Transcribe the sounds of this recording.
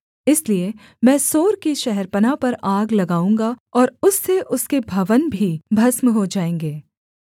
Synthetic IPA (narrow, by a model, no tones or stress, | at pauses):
ɪslie | mɛ̃ːsoːɾkiʃɛɦɛɾpənapɐɾaːɡlɐɡaːũːŋɡaɔːɾʊsːeʔʊskebʱɐʋənbʱibʱɐsmɦod͡ʒaːẽːŋɡeː